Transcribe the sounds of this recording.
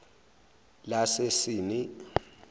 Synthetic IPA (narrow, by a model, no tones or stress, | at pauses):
lasesiːni